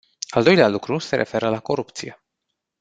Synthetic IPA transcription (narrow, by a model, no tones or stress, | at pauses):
ald̪o̞jlealukɾuse̞ɾʔe̞fe̞ɾəlako̞ɾupt̪sije̞